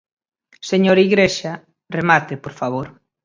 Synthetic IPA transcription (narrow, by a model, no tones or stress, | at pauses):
seɲoɾiɣɾeʃa | remat̪epoɾfaβ̞oɾ